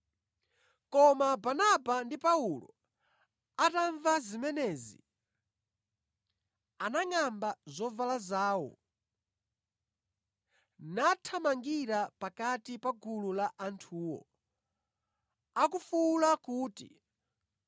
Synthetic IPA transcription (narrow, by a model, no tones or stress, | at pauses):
kɔmabanabandipaulɔ̰ | ataɱvazimɛnɛːzḭ | anaŋambazɔvalazaːwɔ̰ | natʰamaŋɡiɾapakatipaɡululaʔantʰuːwɔ̰ | akufulakuːtḭ